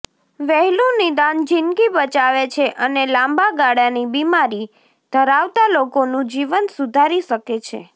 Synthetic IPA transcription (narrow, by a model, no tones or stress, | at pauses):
ʋɛɦɛlũnid̪and͡ʒɪnɡibət͡ʃaʋet͡ʃʰeʔənelãmbaɡaɽanibimaɾi | d̪̥ʱəɾaʋt̪alokonũd͡ʒiʋənsud̪ʱaɾiʃəket͡ʃʰḛ